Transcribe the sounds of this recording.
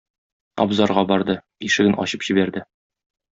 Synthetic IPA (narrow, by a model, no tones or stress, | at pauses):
ɒ̰bzɑɾʁɑbɒɾd̪ɤ | iʃɘ̆ɡɘnɒ̰ɕɤpʑ̥ibæɾd̪ɘ